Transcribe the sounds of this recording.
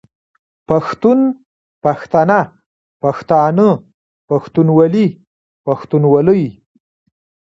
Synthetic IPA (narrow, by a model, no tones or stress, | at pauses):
paxt̪un | paxt̪ana | paxt̪ɑnə | paxt̪unwali | paxt̪unwaləj